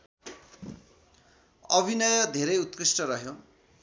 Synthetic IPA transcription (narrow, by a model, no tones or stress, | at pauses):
ʌbʱinʌjʌd̪ʱeɾʌjut̪krisʈʌɾʌɦjo